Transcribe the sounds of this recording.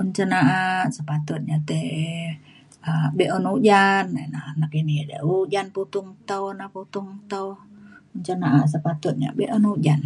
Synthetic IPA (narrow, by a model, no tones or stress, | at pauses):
uɲt͡ʃənaʔasəpat̪ut̪̚ɲat̪ɛ | əbɛʔɔnud͡ʒanenahnakinidə̰ud͡ʒanput̪ʊŋt̪əwnaput̪uŋt̪əwuɲt͡ʃənaʔas̬əpat̪ut̪̚ɲa̰bɛʔɔnud͡ʒan